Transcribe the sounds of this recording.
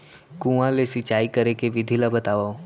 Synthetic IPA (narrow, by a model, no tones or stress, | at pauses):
kũãlesɪt͡ʃaːikəɾekeʋɪd̪ʱilabət̪aːʋao